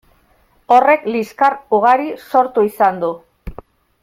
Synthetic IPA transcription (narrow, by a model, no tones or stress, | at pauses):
o̞re̞kliskaruɣ̞aɾiso̞ɾt̪uisand̪u